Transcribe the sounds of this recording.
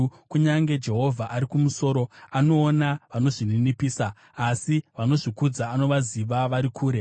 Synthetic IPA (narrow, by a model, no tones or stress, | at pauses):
kuɲaŋɡe̞d͡ʒe̞ɦo̞vʱaʔaɾikumuso̞ːɾo̞ano̞ːnaʋano̞ʐininipiːsaː | siʋano̞ʐikud͡zaːno̞ʋaziʋaʋaɾikʰuːɾe̞